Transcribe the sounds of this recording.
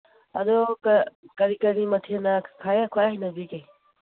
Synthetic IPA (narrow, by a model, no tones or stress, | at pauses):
ɐ̰dɔkkɐɾikɐɾimɐtʰiɐnɐkʰajakʰwajɦjnɐbike